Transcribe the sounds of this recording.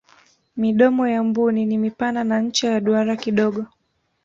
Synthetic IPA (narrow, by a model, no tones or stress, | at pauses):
miɗɔmɔjambuninimipananaɲ̩t͡ʃajaɗuaɾakiɗɔɠɔ